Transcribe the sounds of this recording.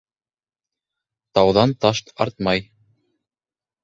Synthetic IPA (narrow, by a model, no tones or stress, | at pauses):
t̪ɑwðɑnt̪ɑʃt̪ɑ̰ɾt̪mɑj